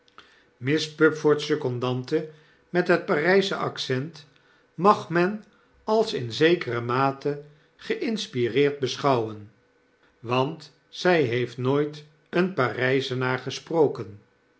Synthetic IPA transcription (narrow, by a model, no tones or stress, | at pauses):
mɪspɵpfɔɹtsɵkɔndɑntə | mɛtɦət̚paːrɛjzəʔɑksɛnt | mɑχmɛn | ɑlˠsɪnzejkərəmaːtə | χəʔɪnspirɪːɹd̚bəsχɑwən | ʋɑnt | sɛjɦejftnoːjt | ənparɛjzənaːɹχəsprowkən